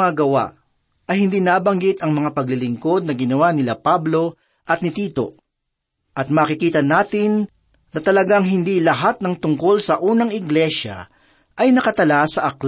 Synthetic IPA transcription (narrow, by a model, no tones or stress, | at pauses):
ŋaɡɐwa̰ʔ | ɐjhɪnd̪inaːbɐŋɡɪt̪ɐŋmɐŋapɐɡ̚lɪlɪŋko̞d̪̚nɐɡɪnɐwanɪlapablo̞ | ʔɐt̪̚nɪt̪iːt̪o̞̰ | ʔɐt̪̚maːkɪkiːt̪ɐnaːt̪ɪn | nɐt̪ɐlɐɡaŋɦɪnd̪ilɐɦat̪̚nɐŋt̪ʊŋko̞lsɐʔuːnɐŋɪɡlɛʃɐ̰ | ʔɐjnɐkɐt̪ɐlasɐʔɐkl